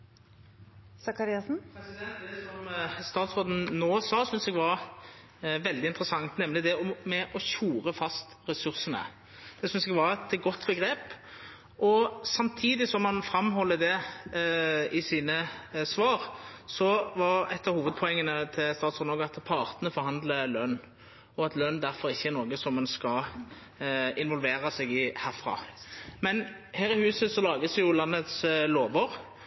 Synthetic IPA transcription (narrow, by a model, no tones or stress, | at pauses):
sɑkɑɾiɑsn̩pʰɾɛsɪd̪ɛnt̪sɔmst̪ɑːt̪sʁoːd̪n̩noːsɑːsʏnsɛɡʋɑɾ | ʋɛld̪ɪnt̪ɾəsɑŋt̪nɛmlɪd̪ɛɔmːɛʔɔçuːɾəfɑst̪ɾɛsʉʁsənə̰ | d̪̥ɛsʏnsɛɡʋɑʁt̪ʰɡɔt̪ːbəɡɾeːp | ʔɔsɑmt̪ʰiːd̪ɪsɔmhɑnfɾɑmɦɔlːəd̪ɛ | ɪsiːnəsʋɑːʁsɔʋɑɾɛt̪ːəɾhuːʋəd̪̚pʰɔɛŋːənət̪ʰɪlst̪ɑːt̪sɔd̪ɔːɡɑt̪pʰɑʁt̪ənəfɔɾhɑnd̪ləlœnː | ɔɑt̪lœnːd̪æʁfɔɾɪçːəæʁnɔːɡəsɔmːɛnskɑ | ɪnʋɔlʋeːɾɑsɛɡɪhæːʁfʁɑ̰ːmɛn | hæːɾɪhʉːsəsɔlɑːɡəsɛjʊlɑnːət̪sloːʋəʁ